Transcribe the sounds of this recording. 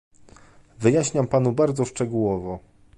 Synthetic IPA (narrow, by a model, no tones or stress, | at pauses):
vɘjaɕɲampanubaɾd̪zɔʂt͡ʂɛɡuwɔvɔ